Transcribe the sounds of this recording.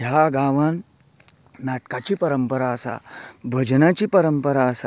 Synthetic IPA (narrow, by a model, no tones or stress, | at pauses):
ɦjaɡaːʋanː | aʈkat͡ɕipɐɾəmpəɾaəsa̰bʱəd͡ʑnat͡ɕipɐɾəmpəɾaəsa